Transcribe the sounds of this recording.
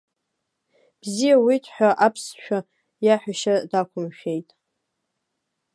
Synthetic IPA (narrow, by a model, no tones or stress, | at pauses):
b̥zijawitʰħʷᶣaʔapʰsʃᶣa | jaħʷᶣaʃadakʷʰʊmʃᶣejtʼ